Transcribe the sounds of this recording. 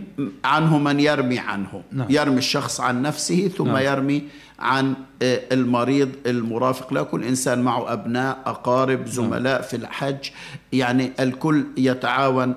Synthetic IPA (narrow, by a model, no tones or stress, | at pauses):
ʕanhʊmɪnjɪɾmiʕa̰nhʊ̰jɪɾmiʃːɑxsˤʕanːafsɪhiθʊmːajɪɾmi | ʕa̰nɪlmɑɾiːðˤɪlmʊɾˤɑːfɪ̥qlakʊlːʔɪnsaːnmaʕʊʔabnaːʔʔɑqɑːɾɪbzʊma̰laːʔfilħad͡ʒː | jaʕniʔɪlkʊlːjɪt̪aʕaːwan